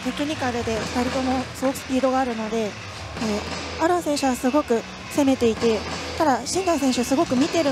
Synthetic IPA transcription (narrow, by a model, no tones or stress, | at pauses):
t̪e̞kʲiɲ̟ʲikaɾɯd̪e̞̥kaɾʲit̪o̞mo̞sɨɡo̞kɯ̟̥sɨ̥pʲiːd̪o̞ɡaːɾɯ̟no̞d̪e̞ | e | aɾõ̞ɰ̃sẽ̞ɰ̃ɕɨɡasɨɡo̞kɯ̟ | se̞me̞t̪e̞it̪e̞t̪ad̪aɕĩnaĩsẽ̞ɰ̃ɕɨasɨɡo̞kɯ̟mʲit̪e̞ɾɯ